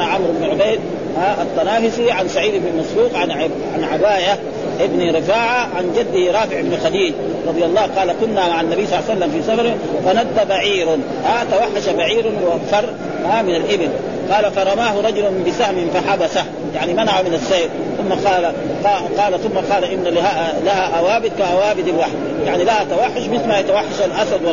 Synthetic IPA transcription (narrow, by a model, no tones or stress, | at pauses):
aʕamɾɪbnʕʊbejd̪̚ | haʔat̪ˤːɑnaːfisiʕansaʕiːd̪ɪbnimasbuːqʕa | ʕanʕabaːja | ʔɪbniɾɪfaːʕaʕand͡ʒad̪ːiɾˤɑːfɪʕɪbnixad̪iːd͡ʒ | ɾˤɑd̪ˤjalˤːɑːhqɑːlakʊnːamaʕanːabijːsˤɑlːasalːamfiːsafɑɾ | fanad̪ːabaʕiːɾn | at̪awaħːaʃabaʕiːɾnwakfɑrˤ | hamɪnalʔɪbɪn | qɑːlafɑɾˤɑmaːɦuɾˤɑd͡ʒulanbɪsahmnfaħabasa | jaʕnimanaʕamɪnasːeːɾ | θʊmːaqɑːla | qɑːlaθumːaqɑːlaʔɪbnalahalahaʔawaːbit̪̚kaʔawaːbid̪alwaħd̪ | jaʕnilahat̪awaħːʊʃmɪθlmajat̪awaħːaʃalʔasad̪wa